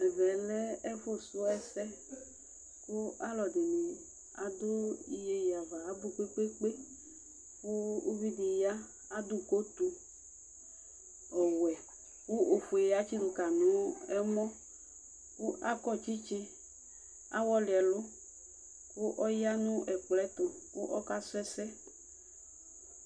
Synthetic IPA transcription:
ɛ˨vɛ˨lɛ˦e˦fo˦sʊ˦ɛ˦sɛ˦ | ku˦a˦lɔ˨d̪e˨nẽ˨ | a̰˨d̪o˦i˨je˦ja˨va˨a˦bu˦k͡pe˦k͡pe˦k͡pe˦ | ku˦o˦vi˦d̪i˨ja˦ | a˦d̪u˦ko˦t̪u˦ | ɔ˨wɛ˨ | ku˦ʔo˨fo˨e˨˦a˦t͡ʃi˦dʊ˨ka˨nũ˨˦ɛ˦mɔ˦ | ku˦a˦kɔ˦t͡ʃi˦t͡ʃe˦ | a̰˦wɔ˦lɪ˨ɛ˨lʊ˦ | ku˦ʔɔ˦ja˦nũ˦ʔɛ˨k͡plɛ˦t̪ɔ˨ku˦ʔɔ˦ka˦sɛ˦sɛ˦

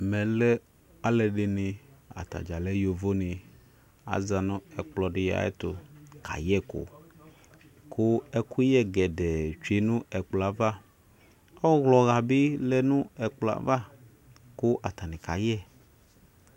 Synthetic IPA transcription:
mɛ̃˨lɛ˦ | a˦lɛ˨ɖɪ˨nɪ̃˨a̰˨t̪a̰˨d͡ʒa˨lɛ˦jo˨vo˦nɪ̃˨ | a̰˨za˨nɔ̃˦ɛ˨k͡plɔ˨ɖɪ˨ja̰˨˦ɛ̰˦t̪ʊ˨kʰa̰˨jɛ˦ko̰˨ | kʰʊ˦ɛ˦kʰu˦jɛ˦ɡɛ˨dɛ˨t͡ʃe˨nũ˦ɛ˨k͡pla˨va˦ | ɔ˦ɣlɔ˨ɣa˨bɪ˦lɛ˦nũ˦ɛ˨k͡pla̰˨va˦ | kʊ˦ʔa˨t̪a˨nĩ˨ka˨jɛ˦˨

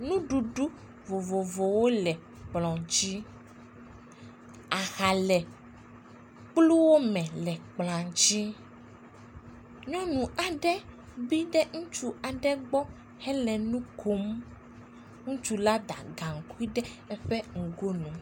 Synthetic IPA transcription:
nũ˦ɖu˨ɖu˦ | vo˨vo˨vo˨wo˦lɛ˨ | k͡plɔ̃˨d͡ʒi˦ | a˨xa˨lɛ˨ | k͡plu˦wo˦mɛ̃˨lɛ˨k͡plã˨d͡ʒi˦ | ɲɔ̃˦nũ˨a˨ɖɛ˦ | bi˦ɖɛ˦ŋũ˦t͡ʃu˦a˨ɖɛ˦ɡ͡bɔ˦ | hɛ˦lɛ˨nũ˦kʰo˦m | ŋũ˦t͡ʃu˨la˦d̪a̰˨ɡa˨ŋ̩˨ku˦i˦ɖɛ˦ɛ˦ɸɛ˦ŋ̩˨ɡo˦nũ˨

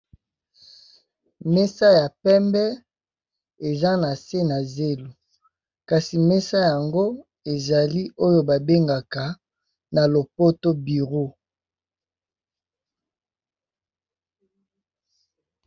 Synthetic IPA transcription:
mɛ˦sa˦ja˨pɛ˦mbɛ˦ | e˨za˦na˨se˦na˨ze˦lo˨ | ka˨si˨me˦sa˦ja˨ŋɡo˦ | e˨za˨li˦ʔo˦jo˦ba˨be˦ŋɡa˨ka˨ | na˨lo˨po˦to˦bi˨ʁo˦

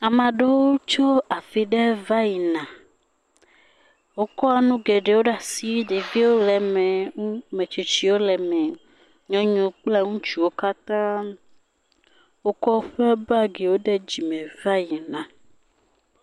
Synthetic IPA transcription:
a˨mã˨ɖe˦wo˦t͡ʃo˦a˨fi˨ɖɛ˦va˦ji˨nã˨ | wo˦kɔ˦a˨nũ˦ɡɛ˨ɖe˨wo˦ɖa˨si˦ɖe˨vi˦wo˦lɛ˨mɛ˨˦mẽ˨t͡ʃi˨t͡ʃi˦wo˦lɛ˨mɛ̃˨ | ɲɔ̃˦ɲɔ̃˨k͡plɛ˦ŋũ˦t͡ʃi˨wo˦ka˦t̪ã˦ | wo˦kɔ˦ɸɛ˦ba˦ɡe˨wo˦ɖɛ˦d͡ʑi˨mɛ̃˨va˦ji˨nã˨

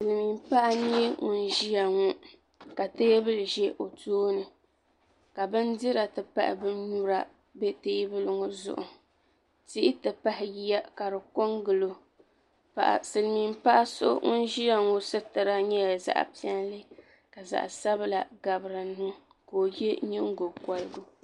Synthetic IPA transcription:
sɨ˨lmi˨mpa˦ʔa˦ɲ˦ɛ˦ŋʊ˨n˦ʒi˦ja˨ŋu˦ | ka˨teː˦bɨ˦lʒɛ˦ʔo˨toː˦nɨ˨ | ka˨bɨ˦ndɪ˦ɾa˨tɨ˨pa̰˦ʔɪ̰˨bɨ˦nnu˦ɾa˦ | bɛ˦teː˦bɨ˦lɨ˨ŋo˦zʊ̰˨ʔʊ̰˨ | ti˦ʔɪ˦tɨ˨pa˦hɪ˨ji˦ja˦ka˨ɾɨ˨ko˦ŋɡɨ˨lo˨ | pa̰˨ʔa̰˨sɨ˨lmi˦mpa˦ʔa˦so̰˦ŋʊ̰˦n˦ʒi˦ja˨ŋo˦sɨ˦tɨ˨ɾa˦ɲɛ˦ja˨za̰˨ʔpi˦ɛ˦nlɨ˦ | ka˨za̰˨ʔsa˦bla˨ɡa˨bɾɨ˨nnɨ˦ | koː˨je˦ɲɛ˦ŋ˦ɡo˨bka˨lɨ˦ɡʊ˦

